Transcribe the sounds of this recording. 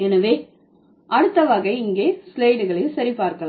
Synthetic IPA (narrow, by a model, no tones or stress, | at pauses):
ɛnɐʋeː | ʔɐɽɯt̪ːɐʋaːɣɐɪŋɡeːslɐɪɖɯɣɐɭɐsɐɾipaːɾkɐɭː